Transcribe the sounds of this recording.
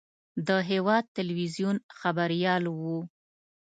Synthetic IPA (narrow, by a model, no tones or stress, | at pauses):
d̪əɦewɑd̪̚t̪ɪlwizjunxabaɾjɑlwu